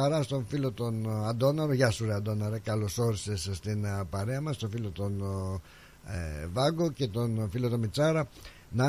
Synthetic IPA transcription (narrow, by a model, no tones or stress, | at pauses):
ɐɾɐst̪oɱfilot̪o̞nɐd̪o̞nɐɾoʝɐsuɾeɐd̪o̞nɐɾekɐloso̞ɾise̞sst̪inpɐɾeɐmɐst̪ofilot̪o̞n | vɐɡoce̞t̪o̞nfilot̪omit͡sɐɾɐ | nɐ